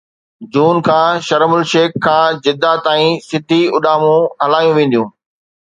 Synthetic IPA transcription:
d͡ʑuːnkʰãːʃɐɾmʊlʃeːkkʰːãːd͡ʑɪd̪at̪aːĩsɪd̪ʱiʊɗaːmũɦɐlaːjũʋẽːn̆d̪ijũː

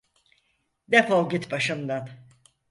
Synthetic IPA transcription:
d̪ɛpolˠɟʲit̪baʃɯmd̪an

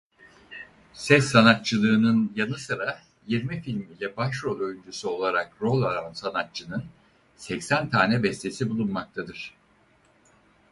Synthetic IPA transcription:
sɛsːanat̪̚t͡ʃʰɯlˠɯːnɯnjanɯsɯɾa | jiɾmifilʲmilʲɛbaʃɾo̞lʲˠø̞jynd͡ʒysyo̞lˠaɾakɾo̞lʲˠaɾansanat̚t͡ʃʰːɯnɯn | sɛcsænt̪ʰaːnɛbɛst̪ʰe̞sibulˠunmak̚t̪ʰad̪ɯɾ̥

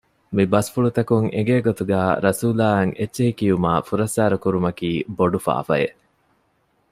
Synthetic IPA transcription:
mibɐsfuɭut̪ɐkuŋḛɡeːɡot̪uɡæːɾɐsuːlaːɐŋʔetːʃeɦikiumaːfuɾɐsːaːɾɐkuɾumɐkiːboɖufa̰ːfɐ̰jeʔ

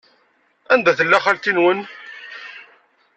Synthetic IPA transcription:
ænd̪æθəlːæχælt̪inwən

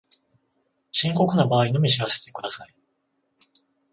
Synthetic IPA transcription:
ɕĩŋko̞kɯ̟nabaːinomʲiɕiɾase̞̥t̪e̞kɯ̟d̪asai

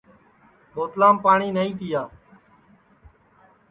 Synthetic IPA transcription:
ɓoːt̪laːmpaːɳiːnəĩːt̪ɪjaː

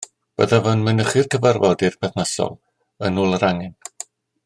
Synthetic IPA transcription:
b̥ə̰ðavənmənəχɨrkʰəvərvɔdirpʰɛθnasɔ̰lˠ | ənuːlˠəɾaŋɛn

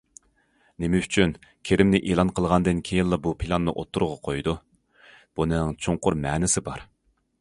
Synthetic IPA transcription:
nemɛyt͡ʃʰynkʲʰeɾɪmnɪʔelˠɑnqʰəlˠʁɑnd̪ɨnkʲʰejɪnlˠɑbupʰilˠɑnːɨ̰ʔot̪ʰːuɾʁɑqʰojd̪u | b̥unɨŋt͡ʃʰoɴqʊɾmɛːnɪsɪbɑɾ

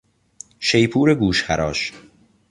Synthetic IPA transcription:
ʃejpʰuːɾeɡuːʃxæ̰ɾɒːʃ

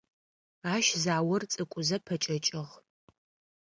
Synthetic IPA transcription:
aːʃzaːwɐrt͡sʼɨkʷʼʊzɐpʰɐt͡ʃʼɐt͡ʃʼɪʁ

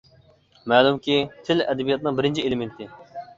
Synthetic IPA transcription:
mæːlumkʲit̪ʰɪlɛd̪ɛbijɑt̪̚nɨŋbɪɾɪnt͡ʃʰielɪment̪ɪ

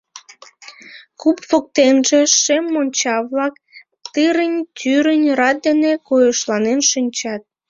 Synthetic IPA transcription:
kupfok̚t̪enʒeʃemːonʲt͡ɕɑβlɑk̚ | t̪ɨɾənʲt̪ʲyɾənʲrɑt̪̚d̪enekojəʃlɑnenʃɨnʲt͡ɕɑt̪̚

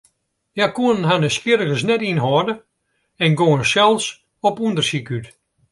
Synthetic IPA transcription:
jakuənnɦanəspɪɾəɣəsnɛtinɦɔːdə | ɛnɡoənsɛlˠs | ɔpundərsikyt

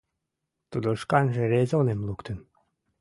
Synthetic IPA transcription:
t̪ud̪oʃkanʲʒeɾezʲonemlˠukt̪yn

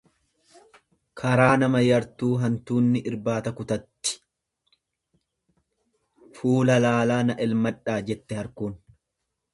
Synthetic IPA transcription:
kʰɐɾaːnɐmɐjɐɾt̪uːɦɐnt̪uːnːɪʔɪɾbaːt̪ɐkʊt̪ɐt̪ːɪ̥ | fuːlɐlaːlaːnɐʔɛlmɐᶑaːd͡ʒɛt̪ːɛhɐɾkuːn

